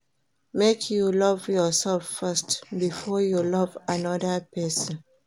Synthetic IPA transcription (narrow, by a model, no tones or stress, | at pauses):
mekʰjulɔvjɔsɛlffastbifɔjulɔvanɔdəpɛsɔ̃n